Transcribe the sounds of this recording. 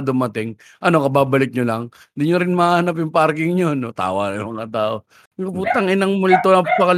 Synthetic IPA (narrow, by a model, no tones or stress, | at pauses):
d̪ʊmɐt̪ɪŋ | ʔɐno̞kɐbaːbɐlɪk̚ɲolɐŋ | d̪ɪɲoɾɪnmahɐnap̬jʊŋpaɾkɪŋɲonot̪a̰ːwa̰jʊmɐŋat̪aːʔo̞ | ŋɐput̪ɐŋɪnɐŋmʊlt̪oɐpɐkɐl